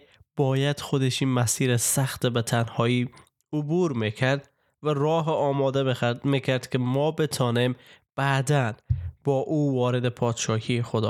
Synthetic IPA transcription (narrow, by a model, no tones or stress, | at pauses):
b̥ɒːjæd̪̥xod̪eʃiːnmæsiːɾesæxt̪ebet̪ʰænhɒːiː | obuːɾmikʰæɾd̪ | væɾɒːɦeɒːmɒːd̪emikʰæɾd̪kʰemɒːbet̪ʰɒːnemb̥æd̪ænb̥ɒːʔuːvɒːɾed̪epʰɒːd̪ʃɒːhʰiːexod̪ɒ̰ː